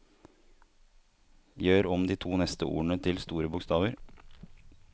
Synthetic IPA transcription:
jøːɾɔmd̪iːt̪ʰuːnɛst̪əʔṵːəɳət̪ʰɪlst̪uːɾəbʊkst̪ɑːʋəɾ

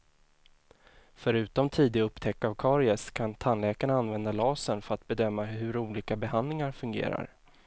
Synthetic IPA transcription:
fœɾʉ̟ːt̪ɔmt̪ʰiːd̪ɪɵpːt̪ʰɛkːavkʰɑːɾɪɛskʰant̪ʰanlɛːkaɳaanvɛnd̪alɑːsənfœɾat̪̚bɛd̪œmːaɦɵɾuːliːkabɛɦand̪lɪŋaɾfɵŋɡḛːɾa̰ɾ

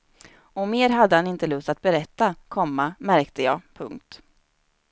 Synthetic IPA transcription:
ɔmeːɾɦad̪ːəhanɪnt̪əlɵst̪at̪̚bɛɾɛt̪ːakʰɔmːamæɾkt̪əjɑ̰ːpʰɵŋk̚t̪

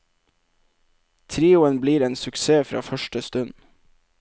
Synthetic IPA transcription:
t̪ʰɾiːʊənbliːɾeːnsʉkseːfɾɑ̰ːfœʃʈəst̪ʉn

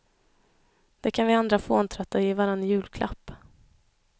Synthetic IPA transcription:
d̪̥ɛkʰanvɪand̪ɾafoːnt̪ʰɾat̪ːaɪvaɾanːjʉ̟ːlkʰlʔa̰pː

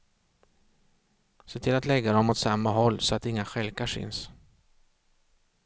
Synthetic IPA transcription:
seːt̪ʰɪlat̪lɛɡːad̪ɔmɔt̪samːaɦɔlːsɔat̪ɪŋːaɧɛlkaʂɪ̰ns

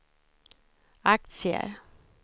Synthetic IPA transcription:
ak̚t̪sɪə̰ɾ

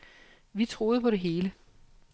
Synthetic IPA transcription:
ʋit͡sʰʁo̝ːð̞̩ˠpʰɒ̽ɾe̝ɦe̝ːlə

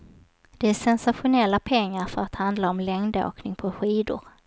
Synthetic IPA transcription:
d̪̥ɛæʂɛnsaɧʊnɛlːapʰɛŋːaɾfœɾat̪hand̪laɔmlɛŋd̪o̰ːknɪŋpʰɔɧiːd̪ʊ̰ɾ

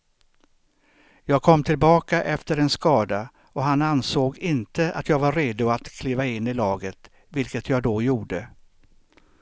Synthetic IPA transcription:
jɑːɡ̚kʰɔmːt̪ʰɪlbɑːkaʔɛft̪əɾɛnskɑːd̪a | ɔɦanansoːɡɪnt̪əʔa̰t̪jɑːɡvaɾɾeːd̪ʊat̪kʰliːvaɪnːɪlɑːɡət̪ | vɪlkət̪ʰjɑːɡd̪ɔjuːɖə

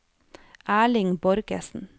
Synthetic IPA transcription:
ʔæːɭɪŋbɔɾɡə̰sn̩

